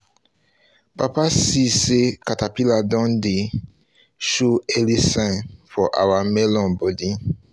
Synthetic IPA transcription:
papasisekatapiladɔ̃nde | ʃuelisɛ̃nfɔʔa̰wamɛlɔ̃nbɔdi

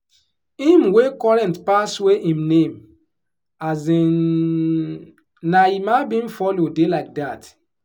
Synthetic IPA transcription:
ĩmwekɔɹɛ̃ntpasweʔĩmnẽm | azĩ | naimabĩnfɔlodelaɪk̚dat

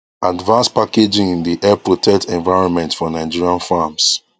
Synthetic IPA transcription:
advãnspaked͡ʒĩŋĩndiʔɛpɹɔtʰɛktʰɛ̃nvaɪɹɔ̃nmɛ̃ntfɔnaɪd͡ʒiɹiãnfams

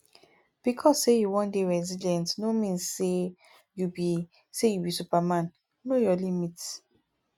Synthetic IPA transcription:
b̥ikʰɔsːejuwɔ̃ndeɹɛzidɛ̃ntnomĩnse | jubi | sejubisupamãn | nojɔlimit

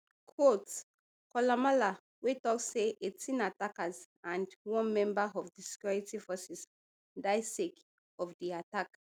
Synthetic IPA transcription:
kʰwots | kɔlamala | wetɔk̚seʔetʰĩnatakəz | ãndwɔ̃nmɛ̃mbəɔvdisi̥kjɔɹitifɔsɛs | daɪsek | ɔvdiatak

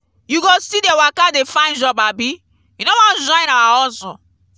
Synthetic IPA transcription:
juɡosidewakadefãɪ̃nd͡ʒɔbabi | junowɔ̃nd͡ʒɔ̃ĩnawaɔsɔ̃

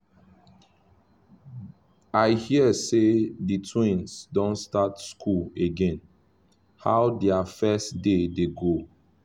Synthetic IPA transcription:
aɪhiəseditʰwĩnsdɔ̃nstatskʰuleɡɛ̃n | ha̰wdɛafɛstdedeɡo

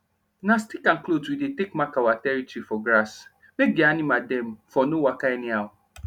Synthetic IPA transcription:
nãstikãnkloswidetekmakawatɛɾitifɔɡɾas | meɡianɪ̃mãdɛ̃m̩fɔnʊ̃wakaɛnĩawʊ̃

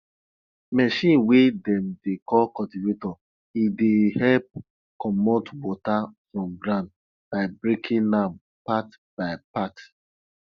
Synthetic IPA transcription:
mɛʃĩnwedɛ̃mdekɔlkɔtivetɔ | idehɛlp̚ | kɔmotwɔtafɹɔ̃mɡɾãnd | b̥aɪbɹikʰĩnlam | pat | b̥aɪpat

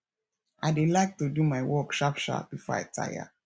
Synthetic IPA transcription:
ʔaɪdelaɪk̚tudumaɪwɔkʃapʃa̰b̥ifɔ̰a̰ɪtʰa̰ja̰

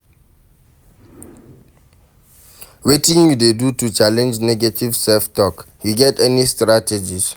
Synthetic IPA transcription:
wetĩŋjudedutut͡ʃalɛ̃nd͡ʒnɛɡatʰivsɛftɔkhiɡɛtɛnistɹatʰɛd͡ʒis

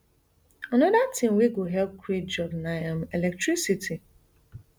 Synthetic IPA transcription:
anɔdatʰĩmwiɡoɦɛlp̚kʰɾet̚d͡ʒɔdnajãmelɛk̚tɾisitʰi

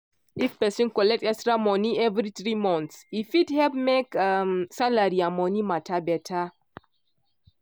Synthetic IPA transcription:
ifpɛsɔ̃nkɔlɛk̚tɛstɹamɔniɛvɾiθɹimɔ̃nt̪sifidhɛvmekamsalaɾiamɔnimatʰabɛtʰa

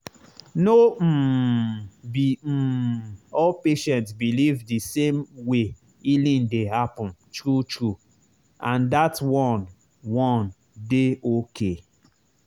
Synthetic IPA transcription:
nom̩ | bim̩ɔlpeʃɛ̃ntsbilivdisẽmwe | ilĩndeɦapɔ̃n̩tɾutɾu | ãndatwɔ̃n | wɔ̃n | deʔokʰe

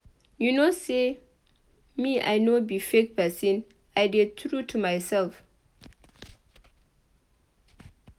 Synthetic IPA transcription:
junose | miʔa̰jnobifekpɛsĩn | ajdɛd̚t̪ɹutʰumajsɛlf

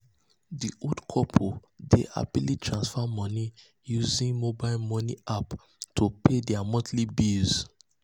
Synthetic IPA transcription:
diʔodkʰɔpʰodḛʔa̰bilitʰɹãnsfamɔni | juzĩŋmobaɪlmɔniap | tʰopʰedɛamɔ̃tlibiz̥

